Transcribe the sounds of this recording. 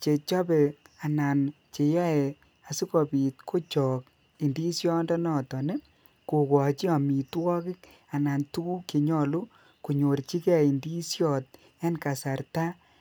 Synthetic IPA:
t͡ʃe˨t͡ʃɔ˦bɛ˨a˨na˨n | t͡ʃe˨ja˦ɛ˨ | a˨si˦kɔ˨pi˨t̚kʰo˦t͡ʃɔ˨k | i˨ndi˦sjɔ˦ndɔ˦nɔ˨tɔ˨ne˦ | ko˨kɔ˨t͡ʃi˦a˨mi˨twɔ˦kɪ˦k | a˨na˨ntu˦u˦ki˨ɲɔ˦˨lu˦ | ku˨ɲo˨ɾt͡ʃi˦kɛ˦˨i˨ndi˦sjɔ˦˨t̚ | ɛ˦nka˨sa˨ɾta˦

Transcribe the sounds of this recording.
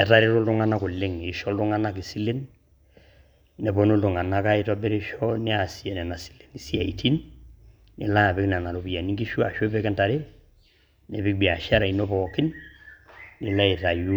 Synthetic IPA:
ɛ˨ta˦ɾe˦tɔ˦ltu˦ŋa˦na˦kʊ˨lːɪ˦ŋɪ˨ʃɔ˦ltu˦ŋa˦na˦ki˨si˦le˦n | nːɛ˨bɔ˦no˦ldu˨ŋa˨na˦ka˦i˦ta˦be˦ɾi˦ʃɔ˦nɪ˦a˨si˦ɛ˨nɛ˨na˨si̥˨˦le̥˨ni˨si˦a̰˨i˨tʰi˦n | nɪ˨la˦˨pɪ˦knɛ˨na˨lo˨pi˨ja˨ni˦ŋɡi˦ʃu˦a˨ʃɔ˦pɛ˦kɛ˦nta˨ɾe˦ | nɛ˨bɪ˦k̚bi˨a˨ʃa˦ɾa˨inɔ˦pɔkɪ˦nː | ɪ˨la˦i˨ta˨ju˦

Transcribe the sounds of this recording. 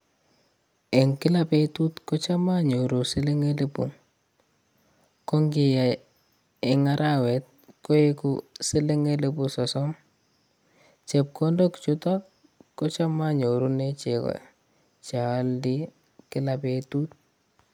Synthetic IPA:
e˨ŋkɪ˦la˦pe˦tu˦tkɔ˦t͡ʃa˦ma˦ɲo˨ɾu˨si˦le˦ŋe˦le˦bṵ˨ŋ | kɔ˦ŋɡi˨ja˨ | e˨ŋa˦ɾʔa˦we˨t̚ko˦e˦kusi˦le˦ŋe˦le˦busɔ˨sɔ˦m | t͡ʃɛ˨p̚kɔ˦ndɔ˦kt͡ʃu˦ta˦ | kɔ˦t͡ʃa˦ma˦ɲo˨ɾu˦ne˦t͡ʃe˨kɔ̰˨ | t͡ʃa˨˦ldi˦ | kɪ˦la˨petu˦t̪̚

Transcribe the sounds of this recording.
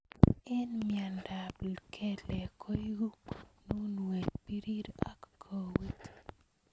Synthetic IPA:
ɛ˦nmja˨nda˨blkʰɛ˦lɛ˨kʰo˦ju˦nu˦nwe˨t̚pi˦ɾi˦ɾa̰˦kːʰo˨wi˦t

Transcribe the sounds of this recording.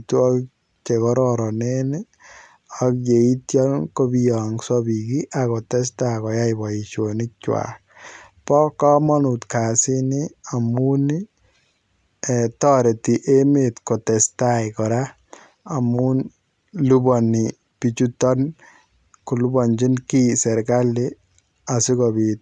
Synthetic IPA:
tu˦ɔ˦k | t͡ʃe˨kɔ˦ɾɔɾɔ˨ne˦ne | ɔkje˨i˦tjɔ˦nko˦bi˦jɔ˨ŋsɔbi˨ki˦ʔako˨tɛ˦s̬takɔ˨ja˦ibɔ˨i˨t͡ʃo˨ni˦k̚t͡ʃwa̰k̚ | pɔ˦kɔ˦mɔ˦nu˨tka˨si˦ni˦a˨mu˦ni | ɛ˨tɔ˦ɾe˨ti˨ʔe˦metko˨tɛ˨stajkɔ˨ɾa˦ | a˨mu˦n | lu˦bɔ˨ni˨ | pi˨t͡ʃu˦tɔ˦n | ku˨lu˦bɔ˨nd͡ʒi˦nki˦sɛ˨ɾka˦li˦ | a˨sɪ˦kobit̚

